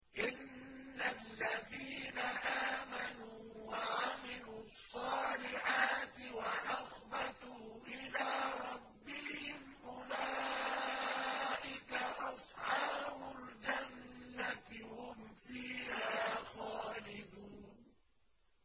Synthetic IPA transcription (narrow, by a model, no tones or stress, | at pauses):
ʔɪnː | alːaðiːnaʔaːmanuː | waʕamɪluːsˤːɑːlɪʕaːt̪ɪwaʔɑxbat̪uːʔɪlaːɾˤɑbːɪhɪmʔʊlaː | ʔɪkaʔɑsˤħɑːbʊld͡ʒanːat̪hʊmfiːhaːxaːlɪd̪uːn